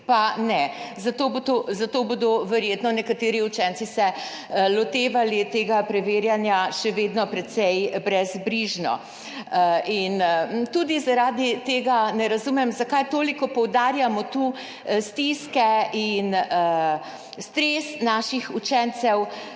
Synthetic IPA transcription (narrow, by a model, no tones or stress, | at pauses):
panɛzat̪oːbot̪ozat̪oːbod̪ɔʋɛɾjeːt̪nɔnɛkat̪eːɾiut͡ʃɛnt̪sisɛ | lɔt̪eːʋalit̪eːɡapɾɛʋeːɾjanjaʃɛʋeːd̪nɔpɾɛt̪sɛjbɾɛzbɾiʒnɔ̰ | int̪ud̪izaɾaːd̪it̪eːɡanɛɾazumɛmzakajt̪oːlikɔpɔwd̪aːɾjamɔt̪u | st̪iskɛinə | st̪ɾeːsnaːʃixut͡ʃɛnt̪sɛw